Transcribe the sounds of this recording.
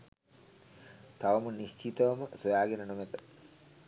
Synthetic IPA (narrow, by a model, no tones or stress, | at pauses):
t̪aʋɐmuniɕt͡ʃit̪ɐʋɐməsojaːɡenənomet̪ə